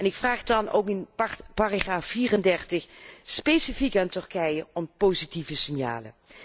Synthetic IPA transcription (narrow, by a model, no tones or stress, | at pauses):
ɛnɪkfraːχdɑno̰wkɪnpaːraχaːfːiːrəndɛrtəxspejsifikaːntɵrkɛjəɔmpowzitivəsɪnja̰ːlə̰